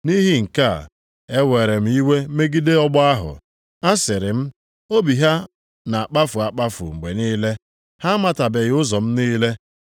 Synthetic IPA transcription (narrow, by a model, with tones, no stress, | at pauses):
ni˦ɦi˦ŋ̩˨ka˦˨ | e˦we˨ɾe˨m̩˦i˦we˦me˦ɡi˦de˦ɔ˦ɡ͡bɔ˦a˦ɦʊ̰˨ | a˦sɪ˨ɾɪ˨m̩˦ | o˦bi˨ɦa˦ | na˨a˨k͡pa˦fʊ˨a˨k͡pa˦fʊ̰˨ŋ͡m̩˨ɡ͡be˨niː˦le˦ | ha˦ma˨ta˨be˨ɣɪ˦ʊ˦zɔ˨m̩˦niː˦le˦